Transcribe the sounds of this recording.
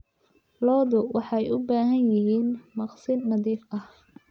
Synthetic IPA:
lɔːðʊwɑħɑjʔʊbaːɦɐnjɪɦiːnmɑqsɪnːɐðiːfʔɐh

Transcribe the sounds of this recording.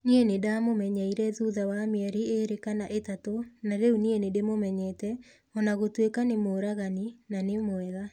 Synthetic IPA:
nienedamomɛɲaiɾɛðuðawameɛɾieɾekanaʔetatonaɾeunienedemomɛɲɛtɛ | ɔnaɣotwekanemoɾaɣaninanemwɛɣa

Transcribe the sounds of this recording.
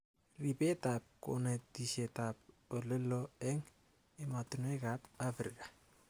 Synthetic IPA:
ripetap̚ko̰netisetap̚ | oleloeŋ | ematunekapafɾika

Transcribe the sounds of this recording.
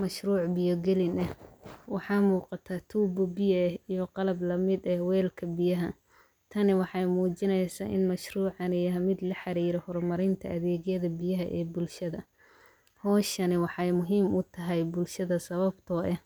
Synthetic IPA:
mɐʃruːʕbɪjɔɡɛlɪnɛwɑħɑːmuːqɑt̪ʰaːt̪ʰuːbɔbɪjɐhijɔqɑlɐblɐmɪd̪ɛhwɛːlkʰɐbɪjɐɦɐ | t̪ʰɐnɪwɑħɑjmuːt͡ʃɪnɛjsa̰ːʔɪ̰nmɐʃruːʕɑnɛjɐɦmɪd̪lɐħɑɾiːɾɔhɔrmɐɾɪnt̪ʰɐ̰ʔɐðɛːɣjɐðɐbɪjɐɦɐʔɛ̰ːbʊlʃɐðɐ | hɔːʃɐnɪwɑħɑjmʊɦiːmʊt̪ʰɐɦɛjbʊlʃɐðɐsɐβɐbt̪ʰɔːʔɛh

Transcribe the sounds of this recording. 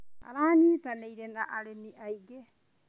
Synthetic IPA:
a̰ɾaːniːtanejɾenaʔaɾeniʔajɡe

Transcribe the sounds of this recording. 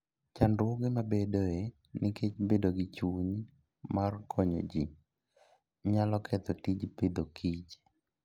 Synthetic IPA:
t͡ʃandʊɡemabedoe | nikʰet͡ʃbedoɡit͡ʃuɲ | markʰɔɲo̰d͡ʒi | ɲalɔkʰɛt̪ɔtid͡ʒped̪okʰit͡ʃ

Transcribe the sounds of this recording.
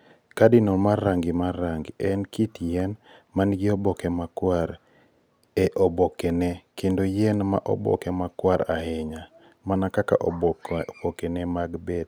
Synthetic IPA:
kadɪnɔmarːaŋɡɪmarːaŋɡɛnkitjɛnmanɡɪɔbɔkɛmakwaɾ | ɛʔɔbɔkɛnɛkendojɛnma̰ʔɔ̰bɔ̰kɛmakwaɾaheɲa | manakaka̰ʔɔbokenɛmaɡbɛd

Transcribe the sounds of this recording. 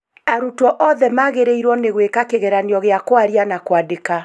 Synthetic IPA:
aɾutɔʔɔðɛmaɣeɾeiɾwɔneɣwekakeɣɛɾaneɔɣeakwaɾianakwadeka

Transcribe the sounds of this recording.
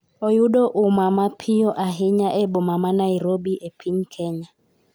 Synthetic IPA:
ɔjuɗɔʔumamapʰijɔʔaɦiɲaʔɛɓɔmamanaiɾobiʔepʰiɲkʰɛɲa

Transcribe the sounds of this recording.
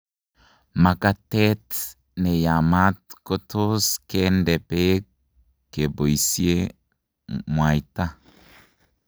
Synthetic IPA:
makatet | nejamat̚kotoskendɛpe | kːeboisie | mwaita

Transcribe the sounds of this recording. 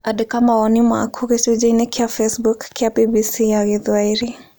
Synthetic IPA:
adɪkamaɔnima̰kʰuɣesod͡ʒainekiafɛsbukːiabibisiaɣiðwaiɾi

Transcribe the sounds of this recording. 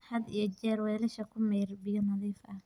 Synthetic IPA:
hɐd̪ḭjɔd͡ʒɛːɾwɛːlɛʃɐkʰʊmɛjrbɪjɔnɐðiːfʔɐ

